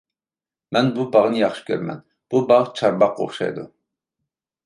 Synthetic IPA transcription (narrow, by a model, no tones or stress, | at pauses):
mɛnbubɑʁnɨjɑχʃi̥kʲʰøɾmɛ̰n | b̥ubɑʁt͡ʃʰɑɾbɑq̚ːo̰χʃɑ̰jd̪u